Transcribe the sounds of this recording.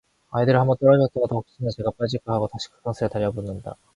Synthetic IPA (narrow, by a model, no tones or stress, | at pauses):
aidɯɾɯhambʌnt͈ʌɾʌɡʌt͈oɾad̪ohok̚ɕ͈ʰinɯt͡ɕe̞ɡap͈ad͡ʑik͈ɯɦaɡotaɕʰi̥kʰɯ̥k͈ʌns͈ʰɯɾetaɾjʌbonːɯnda̰